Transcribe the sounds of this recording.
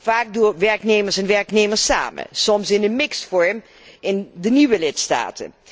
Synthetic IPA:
faːk̚dʊːʋɛɹknejməɹsɛnʋɛɹknejməɹsa̰ːmə̰nsɔmsɪnənmɪksfɔɹm | ɪndəniʋəlɪtsta̰ːtə̰n

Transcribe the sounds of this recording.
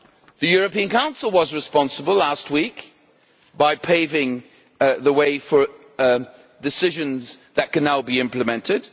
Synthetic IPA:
ðɨjʊɹɨpĩɨ̃nkʰãʊ̃nsl̩ˠwʌzɹɨspɑ̃nsəbəl̩ˠæst̚wik | b̥aɪpʰeɪvɪ̃ŋ | ðəweɪfə˞ | dɨsɪʒɨ̃nzðɨt̚kɨ̃nːaʊbiɪ̃mpləmɛ̃ntʰɪd̥

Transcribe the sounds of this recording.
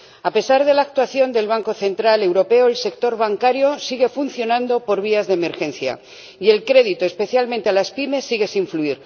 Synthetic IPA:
ape̞saɾð̞e̞laːk̚t̪waθjo̞nd̪e̞lβ̞aŋko̞θe̞nt̪ɾale̞wɾo̞pe̞oelse̞k̚t̪o̞ɾβaŋkaɾjo̞siɣ̞e̞funθjo̞nãnd̪o̞po̞ɾβ̞iazðeme̞ɾxe̞nθja̰ | ie̞lkɾe̞ðit̪oe̞spe̞θjalment̪e̞alaspime̞sːiɣ̞esiɱfluiɾ

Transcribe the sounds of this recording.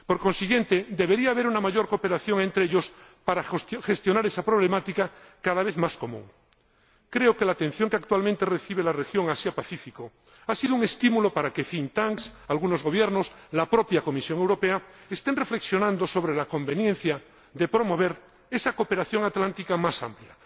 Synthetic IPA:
po̞ɾko̞nsiɣjent̪e̞d̪e̞β̞eɾiaːβ̞e̞ɾunamaʝo̞ɾko̞pe̞ɾaθjo̞ŋe̞nt̪ɾeeʎo̞s | paɾaxe̞st̪jo̞naɾesapɾo̞β̞le̞mat̪ikakaðaβ̞e̞θmasko̞mṵ̃ŋ | kɾeoke̞laːt̪ẽ̞n̟θjo̞ŋkeak̚t̪walmẽnt̪ereθiβ̞elarexjo̞ŋasjapaθifiko | asiðouŋe̞st̪imulo̞paɾakefint̪aŋksalɣ̞uno̞zɣo̞βje̞ɾno̞slapɾo̞pjako̞misjo̞ŋe̞wɾo̞peaest̪e̞nre̞fle̞ksjo̞nãnd̪oso̞β̞ɾe̞lako̞mbe̞njẽ̞n̟θja | ðe̞pɾo̞mo̞βe̞ɾ | e̞sako̞pe̞ɾaθjo̞ŋat̪lant̪ikamasa̰mplja

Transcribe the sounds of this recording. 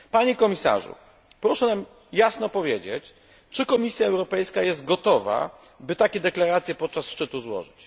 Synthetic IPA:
paɲɛkɔmʲisa̰ʐṵ | pɾɔʂɛnam | jasnɔpɔvʲjed͡ʑḛt͡ɕ | t͡ʂɘkɔmʲisʲjaɛwɾɔpɛjskajɛzd̪̚ɡɔt̪ɔva̰ | bɘt̪akʲɛd̪ɛklaɾat̪sʲjɛpɔt̪̚t͡ʂasʂt͡ʂɘt̪uzwɔ̰ʐɘt͡ɕ

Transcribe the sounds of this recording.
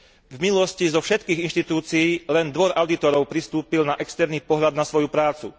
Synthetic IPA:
vmilɔscizɔfʃɛt̪kiːɣinʃt̪it̪uːt͡siiːlɛnd̪ʋɔɾʔaʊd̪it̪ɔɾɔʊpɾist̪uːpilnaʔɛkst̪ɛɾniːpɔɦʎad̪nasʋɔjupɾaːt͡sṵ

